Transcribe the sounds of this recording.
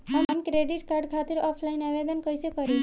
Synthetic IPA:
ɦamamkɾeɖiʈkaɾɖkʰat̪iɾɔpʰlainaʋed̪ənkəjt͡ʃekəɾi

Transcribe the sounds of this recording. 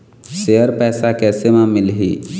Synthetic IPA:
ʃejəɾpɛːsakɛːsemãmɪlɦḭː

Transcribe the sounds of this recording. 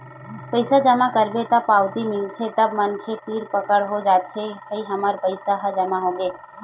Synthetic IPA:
pəɪsad͡ʒəmakəɾbet̪apaːwt̪imɪlt̪ʰɦet̪ɐbmɐnkʰet̪iːɾpɐkəɽɦod͡ʒaːt̪ɦekɐiɦɐməɾpəɪsaɦad͡ʒɐmaɦõːɡeː

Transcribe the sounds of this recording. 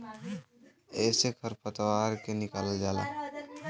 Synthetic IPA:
ɛːsekʰəɾpət̪waːɾkenɪkaːləd͡ʒaːla̰ː

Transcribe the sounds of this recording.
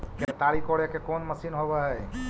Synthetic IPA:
ket̪aɽikoɽekekoːnməsinɦobɛɦɛ

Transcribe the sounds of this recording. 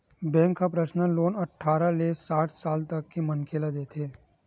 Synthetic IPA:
bɛ̃ːŋkːapɾəʃnaloːnɐʈʰːaːɾaleːsaːʈʰsaːlt̪ɐkːimɐnkʰeːlad̪eːt̪ʰeː

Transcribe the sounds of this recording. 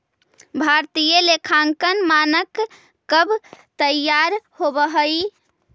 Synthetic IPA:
bʱaɾt̪ijəlekʰaŋkənmanəkː | əbt̪əjaɾhobəɦəj

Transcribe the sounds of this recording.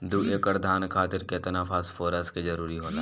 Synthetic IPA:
d̪uːeːkəɾd̪ʱaːnkʰaːt̪ɪɾket̪napʰaːsfʰoːɾəskezɐɾuːɾiɦoːt̪aː

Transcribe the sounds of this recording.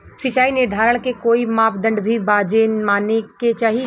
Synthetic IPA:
sɪt͡ʃaːinɪɾd̪ʱaːɾəɽ̃kekoːimaːpd̪ə̃ɳɖbʱibaːd͡ʒeːnmaːneket͡ʃaːɦi

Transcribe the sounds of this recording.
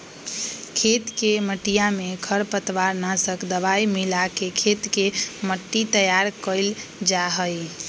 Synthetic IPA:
kʰet̪keməʈijamekʰəɾpət̪ʰʋaɾnasəkd̪əβaimilakekʰet̪keməʈːit̪əjaɾkəɪld͡ʒaɦəj

